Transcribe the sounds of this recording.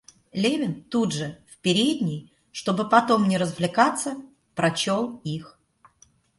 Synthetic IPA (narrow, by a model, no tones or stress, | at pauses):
lʲevʲɪnt̪udʐɨfpʲɪɾʲed̪ʲnʲɪj | ʂt̪o̞bɨpɐt̪o̞mnʲɪɾəzvlʲɪkat̪sːə | pɾɐt͡ɕolˠix